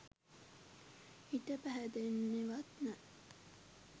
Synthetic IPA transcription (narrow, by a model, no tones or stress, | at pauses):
it̪ɐpæɦæd̪enːeʋɐt̪næ